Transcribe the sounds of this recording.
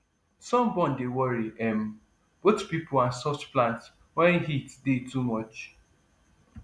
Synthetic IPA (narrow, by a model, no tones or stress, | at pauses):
sɔ̃mbɔ̃ndewɔɹiɛ̃m | b̥otpipoasɔft͡ʃplãnt | wɛ̃nɦitdetumɔt͡ʃ